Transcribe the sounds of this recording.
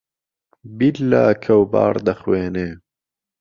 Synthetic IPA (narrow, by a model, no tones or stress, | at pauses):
bilːaːkʰɐwba̰ːɾd̪ɐxweːneː